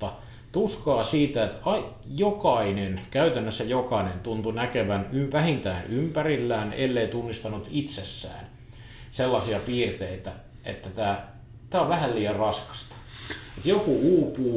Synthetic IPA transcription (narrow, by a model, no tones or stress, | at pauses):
t̪ːɑ | t̪uskɑːsiːt̪æet̪ɑi | jokɑinenkæyt̪ænːøsːæjokɑinent̪unt̪unækeʋænyʋæhint̪æːnympærilːæːnḛlːeit̪unːist̪ɑnut̪it̪sesːæ̰ːn | selːɑsiɑpiːrt̪eit̪æ | ʔḛt̪ːæt̪æː | t̪æːoʋʋæhælliːjɑrrɑskɑ̥st̪ɑ̥et̪jokuuːpuː